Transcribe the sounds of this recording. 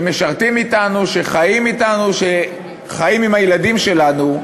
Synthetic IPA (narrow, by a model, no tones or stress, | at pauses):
me̞ʃaʁt̪imitanuʃe̞χajimitanuʃe | χajimimajladimʃe̞lanu